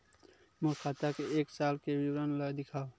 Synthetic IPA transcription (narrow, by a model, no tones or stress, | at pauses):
mʊɾkʰat̪akeeːksalkewiwɾənləjd̪ɪkʰaːo